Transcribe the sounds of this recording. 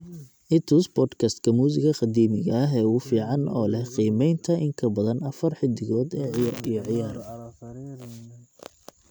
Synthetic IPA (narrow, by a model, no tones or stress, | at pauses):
ʔɪt̪ʰuːsbɔːd̪kʰɐst̪kʰɐmuːsɪɣɐqɑd̪iːmɪɣɐɐɦɛːuːfiːʕɑnɔːlɛhqiːmɛjnt̪ʰɐʔɪŋkʰɐbɐðɐnɐfɐrħɪd̪ɪɣɔːd̪ɛːijɔʕɪjaːɾɐ